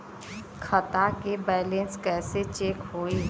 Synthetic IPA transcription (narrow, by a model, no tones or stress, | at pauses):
kʰət̪akebɛːlẽnskɛːset͡ʃeːkɦoːi